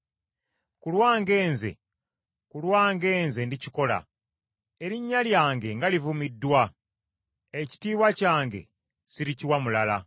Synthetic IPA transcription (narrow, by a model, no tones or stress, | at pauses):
kulwaːŋɡe̞ːnze̞̰ | kulwaːŋɡe̞ːnzendiciko̞la̰ | eɾiɲːaljaːŋɡe̞ŋɡalivumidːwa | eci̥tiːβwacaːŋɡe̞̰ | siɾiciwamulala